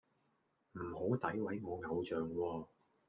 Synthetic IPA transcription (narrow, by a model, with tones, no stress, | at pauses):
m̩˨˩ho˨˥wt̪ɐ˨˥jwɐ˨˥jŋɔː˨˧ŋɐ˨˧wt͡ʃœː˨ŋwɔː˧